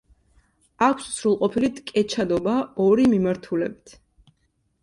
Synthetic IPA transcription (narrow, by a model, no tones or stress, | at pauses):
akʷʰssɾulˠqʼɔpʰilit̪ʼkʼɛt͡ʃʰad̪ɔbaɔɾimimaɾt̪ʰulɛbit̪ʰ